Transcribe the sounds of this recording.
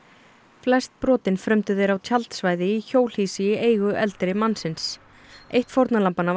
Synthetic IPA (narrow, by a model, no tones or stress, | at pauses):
flɛst̪̚pɾɔːt̪ɪnfɾœmt̪ʏθejɾawt̪ʰjalt̪svajðɪiçoːwl̥hiːsɪjɪʔeːjɣʏʔɛlt̪ɾɪmansɪns | ejht̪foɾt̪nalampana